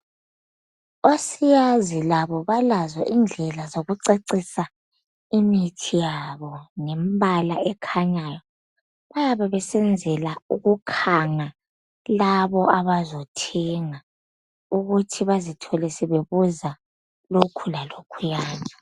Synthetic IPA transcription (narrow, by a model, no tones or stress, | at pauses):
osijazilaβɔβalazɔʔind͡ɮʱɛlazoɣuǀeǀisa | imitʰijaβɔŋɛmbʱalaɛkʰaɲajɔ | βajaβaβɛsɛnd͡zʱɛlauɣukʰaŋa | laβɔaβazotʰɛŋa | uɣutʰiβazitʰɔlɛsɛβeβuza | lokʰulalokʰujaːnɔ